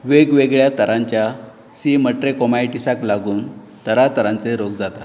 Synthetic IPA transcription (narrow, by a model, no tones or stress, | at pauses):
ʋeɡʋeɡɭjat̪əɾãɲt͡ɕja | siməʈɾekɔmajʈisaklaɡuːn | t̪əɾat̪əɾãnt͡seɾoɡd͡zat̪a